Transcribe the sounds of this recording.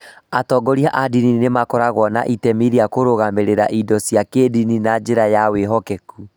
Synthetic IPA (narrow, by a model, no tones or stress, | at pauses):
atɔɡɔɾiaʔadininemakɔɾaɣwɔna̰ʔitɛmiɾiakoɾoɣameɾeɾa̰ʔidɔsjakedininad͡ʒeɾajaweɦɔkɛku